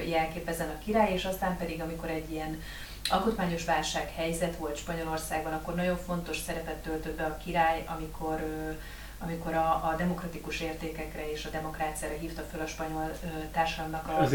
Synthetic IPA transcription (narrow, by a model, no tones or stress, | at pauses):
jɛlkeːpɛzɛnɒkiɾaːjeːʃɒst̪aːmpɛd̪iɡɒmiko̞ɾɛɟːijɛn | ɒlkut̪maːɲo̞ʃʋaːlʃaːkhɛjzɛt̪ʋo̞lt̪ʃpɒɲo̞lo̞rsaːɡ̚bɒnɒkːo̞rnɒɟo̞ɱfo̞nt̪o̞ʃsɛɾɛpɛt̪ːølt̪ød̪̚bɛɒkiɾaːjɒmikʰo̞ɾø | ɒmiko̞ɾɒːd̪ɛmo̞krɒt̪ikuʃeːrt̪eːkɛkrɛeːʃɒd̪ɛmo̞kraːt̪sijaːɾɒɦiːft̪ɒfølɒʃpɒɲo̞lːt̪aːrʃɒd̪ɒmnɒkɒ